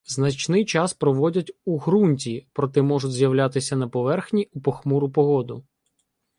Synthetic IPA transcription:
znɐt͡ʃnɪjt͡ʃɑspɾɔʋɔdʲɐtʲuɦɾunʲtʲipɾɔt̪ɛmɔʒʊtʲzʲjɐwlʲat̪ɪsʲɐnɐpɔʋɛrxnʲiupɔxmuɾʊpɔɦɔd̪ʊ

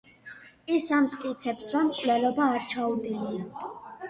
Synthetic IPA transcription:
isamt̪ʼkʼit̪sʰɛpsvamkʼvlɛlɔbaːɾt͡ʃʰaud̪inian

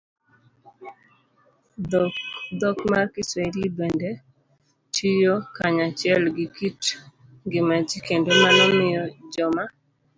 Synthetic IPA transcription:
d̪ɔkmarkɪswelibende | tʰijokaɲat͡ʃɪɛlɡikit | ɡɪmad͡ʒikendomanɔmɪjɔd͡ʒɔma

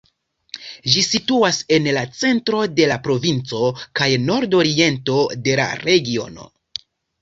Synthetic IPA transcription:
ʒisituase̞nlat͡se̞ntɾo̞de̞lapɾo̞vint͡so̞kajno̞ɾdo̞ɾie̞nto̞de̞la̰ɾe̞ɡio̞̰no̞̰

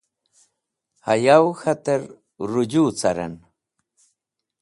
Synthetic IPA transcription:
ajawxat̪eɾ | ɾʊʎuːt͡saɾa̰n

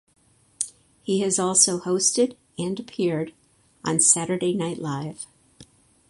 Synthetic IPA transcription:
hiɨzɔlˠsoʊhoʊstɨɾ | ɨ̃nɨpʰɪɹɾ | ə̃n̩sæɾə˞deɪnaɪʔˡlaɪv̥

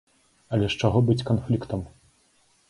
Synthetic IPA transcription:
ɐlʲɛʂt͡ʂaɣɔbɨt͡sʲkanflʲikt̪ɐm

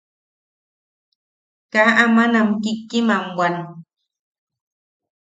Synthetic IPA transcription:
kaʔamanamkɪkːɪmaŋwan

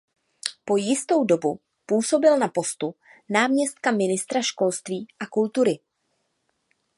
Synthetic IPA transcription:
po̞jɪst̪o̞wdo̞bu | puːso̞bɪlnapo̞st̪unaːmɲɛst̪̚kamɪnɪst̪ɾaʃko̞lst̪viːʔakult̪uɾɪ

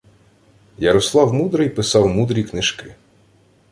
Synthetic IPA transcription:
jɐɾɔslˠɑwmud̪ɾɪjpɪsɑwmud̪ɾʲiknɪʃkɪ

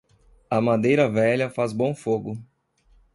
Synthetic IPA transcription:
ɐmad̪ejɾɐvɛʎɐfazbõfoɡʊ

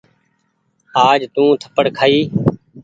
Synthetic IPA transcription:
aːd͡ʒt̪ũːt̪ʰə̥pəɽkʰaːiː

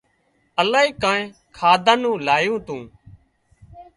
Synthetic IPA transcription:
əlaːiːkaːẽː | kʰaːd̪ʱãːnũːlaːjũːt̪ũː

